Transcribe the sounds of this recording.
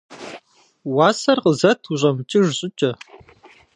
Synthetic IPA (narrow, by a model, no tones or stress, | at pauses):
wɑːsɐrqəzɐtʰuʑʼɐmɨt͡ʃʼɪʒɕʼɪt͡ʃʼɐ